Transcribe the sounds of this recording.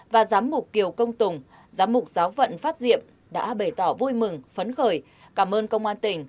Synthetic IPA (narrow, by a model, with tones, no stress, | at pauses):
vaː˨˩zaː˨˦mmʊ˨˩k͡p̚ːi˨˩əwkə˧wŋ͡mt̪ʊ˨˩ŋ͡m | zaː˨˦mʊ˨˩k͡p̚zaː˨˦wvə̰˧˨nfaː˦˥t̚zḭ˧˨əm | ɗa̰ː˧˥ɓə˧˩jt̪ɔ˧˩vu˧jmɨ˨˩ŋfə˨˦nxəː˨˩j | kaː˧˩mʔəː˧nkə˧wŋ͡mʔaː˧nt̪ï˨˩ŋ̟